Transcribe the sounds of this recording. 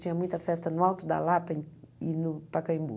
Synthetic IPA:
t͡ʃ̪ĩɲɐmũj̃t̪ɐfɛst̪ɐnʊawt̪ʊd̪ɐ̰lapɐẽinʊpɐkɐ̃ĩmbṵ

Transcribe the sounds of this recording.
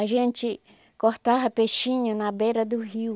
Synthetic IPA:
aʒẽnt͡ʃi | koht̪aɦapeʃĩɲũnãbeɾad̪uɦiu

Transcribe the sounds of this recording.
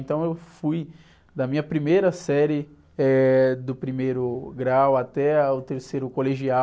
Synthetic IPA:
nt̪ɐ̃w̃ewfuj | d̪ɐmĩɲɐpɾimejɾɐsɛɾɪ | ɛd̪ʊpɾimejɾʊɡɾawat̪ɛʊt̪eɾsejɾʊkoleʒia

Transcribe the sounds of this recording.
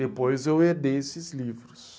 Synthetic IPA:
epojzewed̪esɪzlivɾus

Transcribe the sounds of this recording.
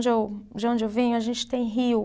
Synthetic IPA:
d͡ʒɪewd͡ʒɪõd͡ʒɪewvĩɲʊaʒẽnt͡ʃɪ̥t̪ẽj̃ɦiw

